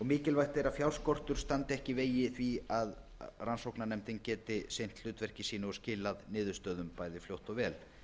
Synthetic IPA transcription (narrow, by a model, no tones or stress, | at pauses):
ɔɣmɪːcɪlvajht̪ejɾafjaw̪skɔr̥t̪ʏɾ̥st̪ant̪ɪɛhcɪveːjɪθviað | ransowknanɛmt̪ɪŋcɛːt̪ɪsejn̥t̪lʏːt̪vɛr̥cɪsiːnʏɔscɪːlaðnɪːðʏst̪œːðʏmpajðɪfljowht̪ɔɣvɛːl